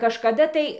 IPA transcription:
kɐʃkɐˈdɐ tɐɪ

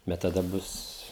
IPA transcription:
bʲɛt tɐˈdɐ ˈbʊs

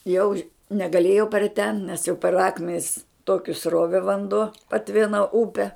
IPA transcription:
jɛʊ ʃ nʲɛɡɐˈlʲeːjɛʊ pʲɛr tʲɛn nʲɛs jɛʊ pʲɛr ˈɑːkmʲɛnʲɪs ˈtoːkʲɪ ˈsroːʋʲɛ ʋɐnˈduɔ pɐˈtʲʋʲɪnɐ ˈʊpʲɛ

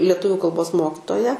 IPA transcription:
lʲiɛˈtʊʋʲʊ kɐlˠˈboːs ˈmoːkʲɪtoːjæː

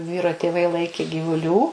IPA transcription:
ˈʋʲiːroː tʲeːˈʋɐɪ ˈlˠɐɪkʲeː ɡʲiːʋʊˈlʲuː

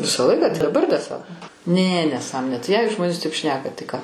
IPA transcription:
ˈʋʲɪsɑː ˈlˠɐɪkɑː tɐɪ dɐˈbɐr dɐr ˈsɐ nʲɛ nʲɛˈsɑːmoːnʲeː tɐɪ jɛɪ ˈʒmoːnʲeːs tɐɪp ˈʃʲnʲæːkɐ tɐɪ kɑː

